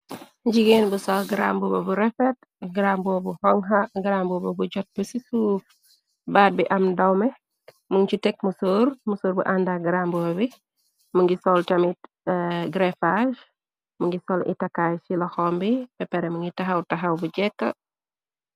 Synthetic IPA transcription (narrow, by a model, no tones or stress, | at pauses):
ɟiɡeːnbusɔlɡɾa̰mbubɐbuɾɛfɛt̚ | ɡɾambɔːbuhɔŋɦɐɡɾambubɐbuɟɔt̚busisuːf | baːt̚biʔɐmdɐwmɛ | muŋt͡ʃutɛk̚musoːɾmusoːɾbṵʔandaɡɾambɔbi | muŋɡisɔltɐmit | ɡɾɛfaʃ | muŋɡisɔlḭtɐkːajfilɔxɔmbipɛpɛɾɛmuŋɡitɐɦɐwtɐɦɐwbuɟɛkːɐ̰